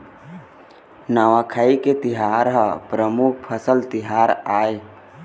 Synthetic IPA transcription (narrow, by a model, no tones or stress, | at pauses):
naʋakʰaiket̪iɦaɾɦəpɾəmuk̚ʰpʰəsəlt̪ɪɦaɾaːe